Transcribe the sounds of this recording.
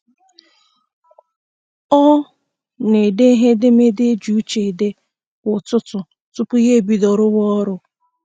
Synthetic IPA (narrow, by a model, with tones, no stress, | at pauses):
ɔ˦ | ne˨de˦ɦe˦de˦me˦de˦d͡ʒu˨˦t͡ʃe˨de˦ | kʷʊ˨tʊ˦tʊ˨ | tʊ˦pʊ˦ɦe˦˨bi˨dɔ˨ɾʊ˦ɣɔ˦ɾʊ˦